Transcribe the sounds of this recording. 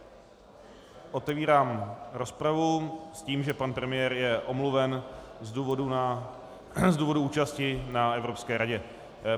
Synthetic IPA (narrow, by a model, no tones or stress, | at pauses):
ʔo̞t̪ɛviːɾaːmɾo̞spɾavusciːmʒɛpanpɾɛmɪjɛːɾjɛʔo̞mluvɛnzduːvodu | zduːvo̞duuːt͡ʃascɪnaɛvɾo̞pskɛːɾaɟɛ